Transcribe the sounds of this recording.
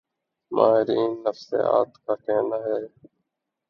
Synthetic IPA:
mʔa̰ːɦɪɾiːnːəfsḛːa̰ːt̪kaːkɛːnaːɦɛː

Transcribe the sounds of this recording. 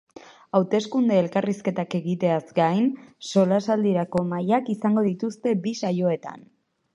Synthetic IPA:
awt̪e̞skund̪e̞ːlkariske̞t̪ake̞ɣit̪e̞azɡajnso̞lasald̪iɾako̞majakisaŋɡo̞ðit̪ust̪e̞bisajo̞e̞t̪a̰n

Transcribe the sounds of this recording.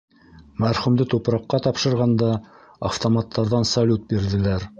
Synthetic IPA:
mæɾχumd̪ɘt̪upɾɑqːɑt̪ɑpʃɤ̆ɾʁɑnd̪ɑː | ft̪omɑt̪ʰːɑɾðɑnsɐlʲut̪̚biɾðɘ̆læɾ

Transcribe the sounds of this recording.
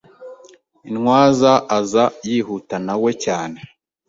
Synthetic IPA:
inŋwaːzaʔazajiːhutanawe̞caːne̞

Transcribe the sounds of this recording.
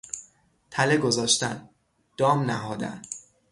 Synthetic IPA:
t̪ʰæleɡo̞zɒːʃt̪æn | d̪̥ɒːmnæɦɒːd̪æ̰n

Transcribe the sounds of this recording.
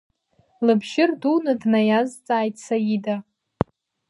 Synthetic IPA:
lɨbʒɪrduwnɨdnajazt͡sʼaːjtʼsajida

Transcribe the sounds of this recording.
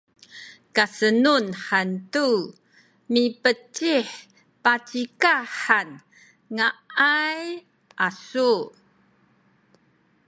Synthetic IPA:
kasənunħantu | mipət͡ɕiħ | pat͡sikaħan | ŋaaj | ʔasu

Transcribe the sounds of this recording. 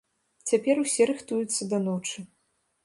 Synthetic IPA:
t͡sʲapʲɛɾusʲɛɾɨxt̪ujut̪sːɐd̪ɐnɔt͡ʂɨ

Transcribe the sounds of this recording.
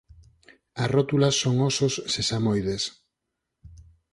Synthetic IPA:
ɐsrɔt̪ulasːoŋosossesamojðes

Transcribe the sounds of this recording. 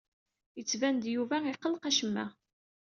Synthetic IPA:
jət͡sːvænd̪juvæiqəlqæʃəmːæ̰

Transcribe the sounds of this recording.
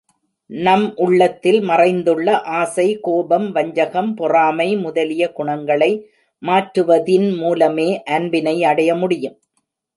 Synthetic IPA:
nɐmʔʊɭːɐt̪ːɪlmɐrɐɪnd̪ɯɭːɐʔaːsɐɪkoːbɐmʋɐɲd͡ʒɐɣɐmpʊraːmɐɪmʊðɐlɪjɐkʊɳɐŋɡɐɭɐɪ | maːʈɾɯʋɐðɪnmuːlɐmeːʔɐnbɪnɐɪɐɽɐjɐmʊɽɪjɯm

